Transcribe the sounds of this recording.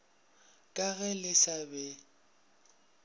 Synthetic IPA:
kʼaɣɛlɪsabɛ

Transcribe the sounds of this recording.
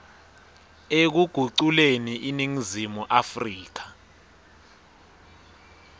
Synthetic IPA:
ek̬uɡ̥ʱuǀuleniʔiniŋizimuʔafriːk̬ḁ

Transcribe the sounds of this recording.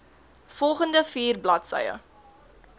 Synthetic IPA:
fɔlˠχəndəfiːrblɐtsə̰jə̰

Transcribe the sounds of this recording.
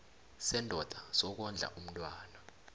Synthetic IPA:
sɛndʱɔd̥ʱasɔk̬ɔnd͡ɮʱa̰ʔum̩tʼwaːna

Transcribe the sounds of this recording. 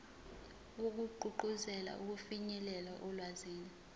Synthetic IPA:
ok̬uǃʱuǃuzɛla̰ʔuk̬ufiɲɛlɛlaʔɔlwaziːni

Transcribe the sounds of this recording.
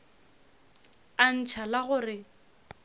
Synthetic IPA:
an̩t͡ʃʰalaɣʊrɪ

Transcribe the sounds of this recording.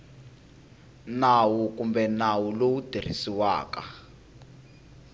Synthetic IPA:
nawukumbɛnawulowud̥ʱer̤ḭsiwa̰ːka

